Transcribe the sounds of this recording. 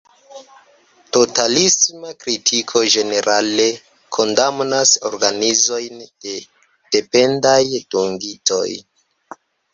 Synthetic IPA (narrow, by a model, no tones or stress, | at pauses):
to̞talismakɾitʰikʰo̞ʒe̞ne̞ɾʔale̞ | kʰo̞ndamnaso̞ɾɡanizo̞jnd̥e̞ | d̥e̞pe̞ndajd̥uŋɡito̞̰j